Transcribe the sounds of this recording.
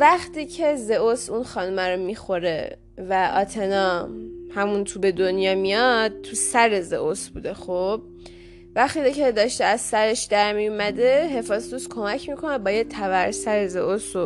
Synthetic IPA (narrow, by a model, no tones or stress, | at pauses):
væχt̪ʰiːcʰe̞ze̞ʔosunxɒːnumæɾomixo̞ɾe̞ | væʔɒːt̪ʰe̞nɒːhæmunt̪ʰuːbe̞d̪onjɒːmijɒd̪̚t̪ʰusæɾe̞zḛʔosbṵːd̪e̞xob̥̚ | væχt̪iːdcʰe̞d̪ɒːʃt̪eæzsæɾe̞ʃd̪æɾmijumæd̪e̞ɦe̞fɒːzt̪uskʰo̞mæcʰmikʰo̞nebɒːjet̪ʰævæɾsæɾeze̞ʔoso